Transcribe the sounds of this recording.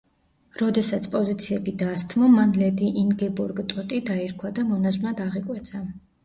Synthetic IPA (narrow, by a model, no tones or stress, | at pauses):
ɾɔd̪ɛsat̪sʰpʼɔzit̪sʰiɛbid̪ast̪ʰʼmɔmanlɛd̪iʔinɡɛbuɾɡt̪ʼɔt̪ʼid̪aiɾkʰwad̪amɔnaznad̪aʁikʼwɛt̪sʰa